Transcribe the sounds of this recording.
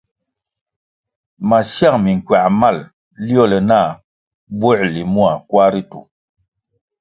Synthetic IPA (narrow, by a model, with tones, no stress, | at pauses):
ma˨sja˦˨ŋmi˨ŋ˨kɥa˨ʔma˦˨l | li˦ɔ˦˨lɛ˨na˦˨ | bwɔ˦ʔli˨mu˦a˨kwa˦ɾi˦tṵ˨